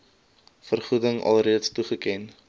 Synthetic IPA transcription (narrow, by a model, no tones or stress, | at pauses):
fərχudəŋɐ̰lˠriətstuχəkɛn